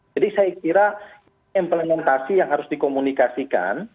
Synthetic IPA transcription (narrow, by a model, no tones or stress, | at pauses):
adisajakiɾa | implemɛnt̪asijaŋɦaɾʊsdikomunikasika̰n